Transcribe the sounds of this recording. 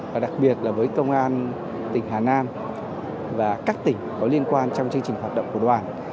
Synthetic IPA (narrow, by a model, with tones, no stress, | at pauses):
vaː˨˩ɗa˨˩k̚ɓi˨˩ət̚laː˨˩vəː˨˦jkə˧wŋ͡mʔaː˧n | t̪ï˨˩ŋ̟ɦaː˨˩naː˧m | vaː˨˩kaː˦˥k̚t̪ï˨˩ŋ̟kɔ˨˦li˧ənkwaː˧nt͡ɕɔ˧wŋ͡mt͡ɕɨ˧ŋt͡ɕï˨˩ŋ̟wa˨˩ɗə̰˧˨wŋ͡mku˧˩əɗwaː˨˩n